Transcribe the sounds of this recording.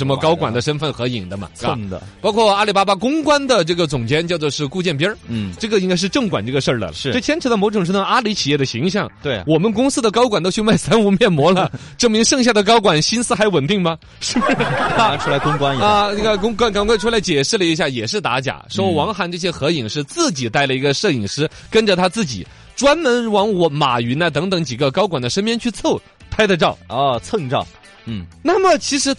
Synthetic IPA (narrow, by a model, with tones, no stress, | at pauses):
ʂə˧˥nmə˧kɑ˥ʊkwa˨˩nd̪ə˦ʂə˥nfə˥˩nxɤ˧˥i˨˩ŋd̪ə˦mɐ̰˨˩a̰˧˩˧d̪pɑ˥ʊkʰwɔ˥˩a˥li˨˩pa˥ba˥kʊ˥ŋkwa˥nd̪ə˨ʈ͡ʂɤ˥˩ɡə˩t͡sʊ˨˩ŋt͡ɕjɛ˥nt͡ɕjʊt͡swɔ˥˧ʂɻ̩˥˧ku˥˧t͡ɕjɛ˥˩np̬jə˥˩ʈ͡ʂɤ˥˩ɡə˩i˥ŋka˥ɪʂ̬̩˥˧ʈ͡ʂɤ˥˩ŋkwa˨˩nʈ͡ʂɤ˥˩ɡə˩ʂə˞˥˩d̪ə̰˨ɻ̩˥˧ʈ͡ʂɤ˥˩t̪ʰjɛ˥nʈ͡ʂʰɻ̩˧˥də˧˩mo˧˥ʈ͡ʂʊ˨˩ŋʈ͡ʂʰə˥ə˧a˥li˧˥t͡ɕʰi˨jɛ˥˩d̪ə˩ɕi˧˥ŋɕjɑ˥˩ŋt̪we˥˩wɔ˨˩mə˧˦nkʊ˥ŋsɹ̩˥d̪ə˨kɑ˥ʊkwa˨˩nt̪o˥t͡ɕʰy˥˧ma˥˩ɪsa˥nu˧˥mjɛ˥˩nmwɔ˧˥lə˨ʈ͡ʂɤ˥˩mi˧˥ŋʂɤ˥˧ŋɕja˥˩d̪ə˩kɑ˥ʊkwa˨˩nɕi˥nsɹ̩˥xa˧˥ɪwə˨˩nt̪i˥˩ŋmɐ˩ | ʂɻ̩˥˩ba˥˧u˥la˧ɪkʊ˥ŋkwa˥nː˨˥˧na˥˩ɡə˧˩kʊ˥ŋk̬wa˥nkɑ˧˥ŋkwa˥˩ɪʈ͡ʂʰu˥la˧˥ɪt͡ɕjɛ˨˩ʂɻ̩˥˩lə˩i˧˥ɕja˥˩jɛ˨˩ʂɻ̩˥˩t̪a̰˧˥t͡ɕja̰˨˩˦ʂɔ˧˥ʊwɑ˧˥ŋxa˧˥nʈ͡ʂɤ˥˩ɕ̬jɛ˥xɤ˧˥i˨˩ŋʂɻ̩˥˧t͡sɹ̩˥˩t͡ɕi˨˩t̪a˥˩ɪlə˩i˧˥ɡə˧ʂɤ˥˩i˨˩ŋʂɻ̩˥ | kə˥nʈ͡ʂə˨t̪ʰa˥t͡sɹ̩˥˩t͡ɕḭ˨˩˦ | ʈ͡ʂwa˥nmə˧˥nwɑ˧˥ŋwɔ˧˥ma̰˨˩y˧˥nə˧t̪̬ɤ˧˥ŋt̪ɤ˧˥ŋt͡ɕi˨˩ɡə˧kɑ˥ʊkwa˨˩nd̪ə˦ʂə˥npjɛ˥nt͡ɕʰy˥˧t͡sʰo˥˩ʊ | t̪ʰa˥ɪd̪ə˧ʈ͡ʂɑ˥˩ʊɔ˥˧˩t͡sʰɤ˥˧ŋʈ͡ʂɑ˥˩ʊ˥˩ | na˥˩mə˩t͡ɕʰi˧˥ʂɻ̩˧˥